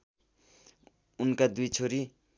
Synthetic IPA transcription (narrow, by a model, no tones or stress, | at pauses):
unkad̪ujt͡sʰoɾi